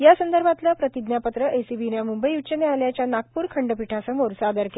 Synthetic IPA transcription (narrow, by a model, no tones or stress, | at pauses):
jasənd̪əɾbʱat̪lapɾət̪id̪njapət̪ɾəʔesiʋinjamumbəjut͡ɕənealjat͡ɕjanak̚puːɾkʰəɳɖəpiʈʰasəmoɾsaːd̪əɾke